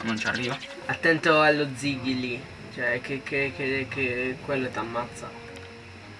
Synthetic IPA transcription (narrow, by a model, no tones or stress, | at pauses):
nont͡ʃa̰rːiːva | at̪ːɛnt̪oalːod̪ziɡili | t͡ʃɛkːekːekekːekːwelːot̪amːat̪sːa̰